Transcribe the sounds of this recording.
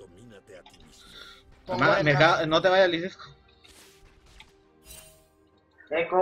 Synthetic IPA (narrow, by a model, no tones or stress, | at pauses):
emamekanot̪eβajalisisko̥ | eko